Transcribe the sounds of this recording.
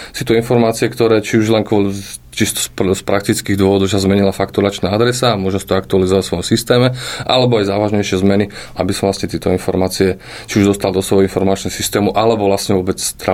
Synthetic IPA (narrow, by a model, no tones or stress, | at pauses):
sit̪uinfɔɾmaːt͡siɛkt̪ɔɾɛːt͡ʃiuʒlɛnkʊɔli | t͡ʃist̪ɔ̥spspɾakt̪it͡skiːɣd̪ʊɔʋɔd̪ɔʊʃazmɛɲilafakt̪uɾat͡ʃnaad̪ɾɛsaːmʊɔʒɛmsi̥t̪ɔakt̪ualizɔʋasʋɔjɔmsist̪ɛːmɛʔa̰lɛbɔajzaːʋaʒɲɛjʃɪɛzmɛniabisɔmʋlasɲɛt̪ɪɛt̪ɔinfɔɾmaːt͡siɛ | t͡ʃiuʒd̪ɔst̪ald̪ɔsʋɔjɦɔinfɔɾmaːt͡ʃnɛsist̪ɛːmuʔalɛbɔʋlasɲɛʋʊɔbɛt͡st̪ɾa